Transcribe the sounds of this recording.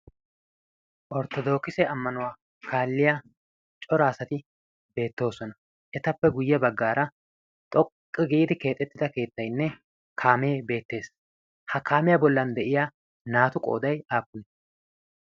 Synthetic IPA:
ʔɔɾt̪ɔd̪o̞ːkɪsɛɐmːɐnʊwaː | kʰaːlːɪja | t͡ʃʼɔɾaːsɐt̪ɪ | be̞ːt̪ːo̞ːsɔnɐ | ʔɛt̪ɐpːɛɡʊjːɛbɐɡːaːɾɐ | t̪ʼɔkʼːɪɡiːd̪ɪke̞ːt̪ʼːɛt̪ːɪd̪ɐke̞ːt̪ːɐjnːɛ | kʰaːme̞ːbe̞ːt̪ːe̞ːs | hɐkaːmɪjɐbɔlːɐnd̪ɛʔɪja | naːt̪ʊkʼo̞̰ːd̪ɐjaːpːʊnɛ

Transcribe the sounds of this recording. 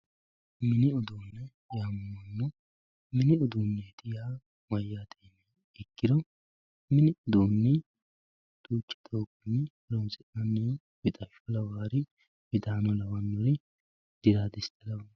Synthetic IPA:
mɪnɪɔd̪oːnːɛ | jaːmʊmɐnːɔ | mɪnɪɔd̪uːnːeːt̪ɪjaː | mɐjːaːt̪ʰeːnɛ | ɪkːɪd̪ɔ | mɪnɪʊd̪oːnːɛ | t̪uːt͡ʃːɛ̥t̪ʰʼoːkːɪnːɪ | ɾɔmsɪʔɐnːeː | bɪt̪ʼɐʃɔlɐwaːɾɪ | bɪd̪aːnɔlɐwɐnːɔɾɪ | d̪̥ɪɾaːd̪ɪst̪ɐlɐwɐ

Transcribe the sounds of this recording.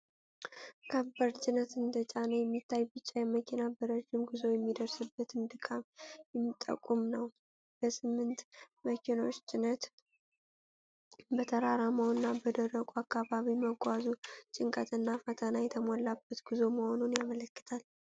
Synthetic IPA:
kʰəbəɾt͡ʃʼɪnət̪ɨnd̪ət͡ʃʼanəjɛmːit̪ʰːajbɨt͡ʃːajɛmːəkʰinabəɾəd͡ʒːɪmɡɨzo̞jɛmːid̪əɾsɨbːət̪ʰɨnd̪ɨkʼamjɛmːit̪ʼːə̰kʼːumnəw | b̥əsɨmːɨnt̪ | məkʰinat͡ʃːt͡ʃʼɪnət̪ | bət̪ʰəɾaɾamawɨnːabəd̪ərːəkʼuakːaβaβiməɡʼazut͡ʃʼɪŋkʼət̪ɨnːafət̪ʰənajɛt̪ʰəmalːabːət̪ɡ̥ɨzo̞məho̞nunjamələkːɨ̥t̪ʰal

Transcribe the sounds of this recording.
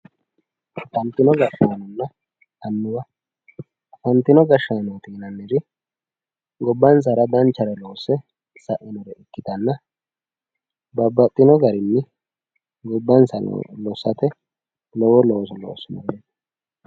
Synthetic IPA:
fɐnt̪ɪnɔɡɐʃːanɔnːɐ | t̪ɐnːʊbɐ | fɐnt̪ɪnɔɡɐʃːaːnɔt̪iːnɐnːɪɾɪ | ɡɔbːɐns̬ɐɾɐd̪ɐnt͡ʃːɐɾɛloːsɛ | sɐʔɪnɔɾɛʔɪkːɪt̪ɐnːɐ | bɐbːɐt̪ʼːɪnɔɡɐɾɪnːɪ | ɡɔbːɐnsɐ̰lɔsɐt̪ɛ | lɔwɔlɔsɔlɔ̰ːsɪnɐ̰ɡeːd̪ɐ̥

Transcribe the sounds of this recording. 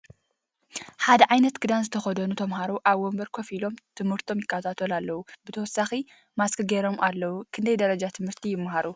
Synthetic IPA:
ħad̪ɐʕajnɐt̪ɡɨd̪anzɨt̪ʰɐxɐd̪ɐnut̪ʰɐmɦaɾuʔaβwombɐɾkʰofilo̞mt̪ʰɨmhɨɾt̪ʰo̞mjɪkːat̪ʰat̪ʰolalːɐwubɨt̪ʰɐwɔsːaxi | maskɨɡeɾo̞mʔalːɐwukʰɨnd̪ɐjd̪ɐɾɐd͡ʒat̪ʰɨmhɨɾt̪ʰijɪmːaɦaɾu

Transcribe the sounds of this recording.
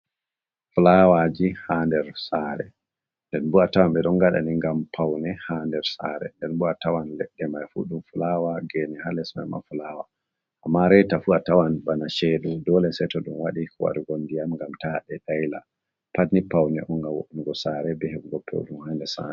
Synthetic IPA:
fulawad͡ʒihandɛɾsaɾɛ̰ | ndɛnbuatawamɓɛɗɔnɡaɗa̰niŋɡampʰawnɛhandɛɾsa̰ɾɛ̰ndɛnbuatawanlɛɗːɛmajfuɗumfulawaɡenihalɛsma̰ma̰fulawaː | mːaɾɛtafuatawanɓanaʃeɗudɔlɛsɛtɔɗumwaɗikuwa̰ɾuɡondijamŋɡamtaɗɛɗajla̰ | patnipawnɛʔɔŋɡawo̰ʔuniɡɔsaɾɛbɛhekuɡɔpʰːɛ̰ɗumhaːndɛsa̰ɛ

